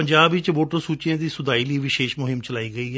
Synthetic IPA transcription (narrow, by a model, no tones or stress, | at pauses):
əɲd͡ʒaːbɪt͡ʃmoːʈəɾsuːt͡ʃijãːd̪iːsʊd̪aːiːliːʋɪʃeːʃmʊɦɪmt͡ʃəlaːiːɡəiː